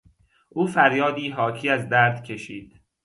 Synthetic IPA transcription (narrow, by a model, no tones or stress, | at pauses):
ʔuːfæɾjɒːd̪iːɦɒːcʰiːæzd̪æːɾt̪cʰe̞ʃiːd̪̥